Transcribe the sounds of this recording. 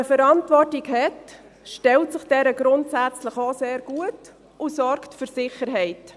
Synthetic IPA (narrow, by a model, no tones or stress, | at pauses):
əfəɾɑntvɔrtikhɛt | ʃtɛltsɪχd̥ɛɾəɡɾʊntsæt͡sləχoseːɾɡ̥uət | ʔusɔɾktfyɾsɪχəɾɦɛɪt